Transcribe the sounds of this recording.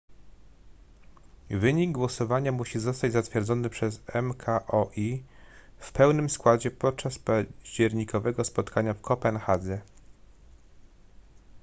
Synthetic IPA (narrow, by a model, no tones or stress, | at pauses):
vɘɲiɡɡːwɔsɔvaɲamuɕizɔst̪ad͡ʑzat̪fʲjɛɾd̪zɔnɘpʂɛzɛmkʰaʔɔʔi | fpɛwnɘmskwad͡ʑɛpɔt̪̚t͡ʂaspaʑd͡ʑɛɾɲikʰɔvɛɡɔspɔt̪kʰaɲafkʰɔpɛnxad̪zɛ